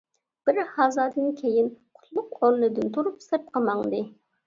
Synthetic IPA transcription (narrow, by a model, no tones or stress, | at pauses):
b̥ɪɾhɑzɑːd̪ɨnkʲʰejinqʰʊ̥t̪lˠʊqolˠɨnɨd̪ɨnt̪ʰuɾupsɨp̚qʰəmɑŋd̪ɨ